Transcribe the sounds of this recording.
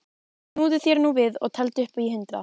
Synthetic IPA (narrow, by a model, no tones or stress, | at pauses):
nuːðʏθjɛɾnuvɪðɔ̰ɣt̪ʰɛlt̪ɪʏhpaiɦʏnt̪ɾa̰